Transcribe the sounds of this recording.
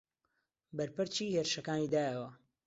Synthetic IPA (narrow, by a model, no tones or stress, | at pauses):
bɐɾpɨɾt͡ʃiːheɾʃɐkaːniːd̪aːjəwɐ